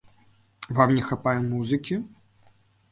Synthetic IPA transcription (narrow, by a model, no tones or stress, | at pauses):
vamnʲɛxapajumuzɨkʲi